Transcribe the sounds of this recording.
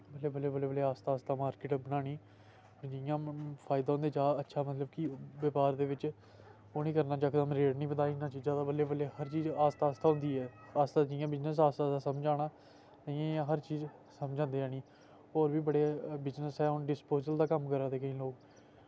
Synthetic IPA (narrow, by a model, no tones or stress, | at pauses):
bəleːbəleːbəleːbəleːaːst̪aːst̪aːmaːɾkɪːʈbənaːɽ̃iː | ɾd͡ʒɪjãːpʰaːɪd̪aːɦʊ̃nd̪eːt͡ʃaːətːʃʰaːmət̪ləbkɪʋəpaːɾd̪eːʋɪt͡ʃ | oːnĩːkəɾnaːd͡ʒaːkd̪əmɾeːɽnĩːbət̪aːiɪnːãːt͡ʃiːzãːd̪aːbəleːbəleːhəɾt͡ʃiːzaːst̪aːst̪aːɦʊ̃nd̪iːɛː | aːst̪aːd͡ʒɪjãːbɪznəs̬aːst̪aːd̪aːsəmd͡ʒaːɽ̃ãː | əjãːãːɦəɾt͡ʃiːzsəmd͡ʒãːnd̪eːaːñĩː | oːɾbiːbəɽeːbɪznəsɛːʊnɖɪspoːzəld̪aːkəmkəɾãːd̪eːkəĩːloːk